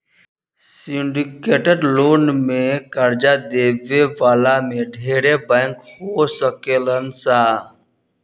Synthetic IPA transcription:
siɳɖikeːʈəɖloːnmẽkəɾd͡ʒad̪eːʋeʋaːlamẽɖʱeːɾebɛ̃ːŋkhosəkelənsa

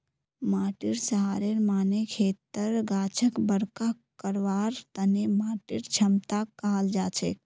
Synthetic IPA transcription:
maːʈiɾsəɦaːɾeɾmaːnekʰeːt̪əɾɡaːt͡ʃʰəkbəɾka | kəɾʋaːɾt̪ənemaːʈiɾt͡ʃʰəmt̪akːaɦəld͡ʒaːt͡ʃʰḛk

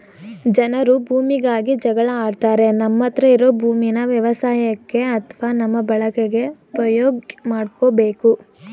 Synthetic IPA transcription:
d͡ʒɐnɐɾubʱuːmiɡaːɡid͡ʒɐɡɐɭɐaːɖt̪aːɾe̞nɐmːɐt̪ɾɐiɾo̞ːbʱuːminɐʋjɐʋɐsaːjɐkːe̞ɐt̪ʰɐʋaːnɐmːɐbɐɭɐkeɡe̞upɐjoːɡmaːɖkobe̞ːku

